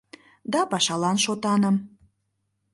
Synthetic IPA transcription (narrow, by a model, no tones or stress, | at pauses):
d̪ɑpɑʃɑlɑnʃot̪ɑnəm